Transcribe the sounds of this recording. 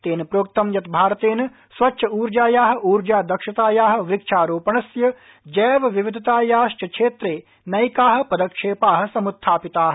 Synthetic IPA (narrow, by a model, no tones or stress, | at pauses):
t̪eːnpɾoːk̚t̪ɐmjɐt̪bʱaːɾt̪eːnɐ | sʋɐtːʃʰɐuːɾd͡ʒaːjaːɦɐ̆uːɾd͡ʒaːd̪ɐkʃɐt̪aːjaːɦɐ̆ʋɪkt͡ʃʰaːɾoːpɐɳɐsjɐ | d͡ʒɛːʋɐʋɪʋɪd̪ʱɐt̪aːjaːʃt͡ʃɐkʃʰeːt̪ɾeː | nɐjkaːɦɐ̆pɐd̪ɐkʂeːpaːɦɐ̆sɐmut̪ʰːaːpɪt̪aːɦ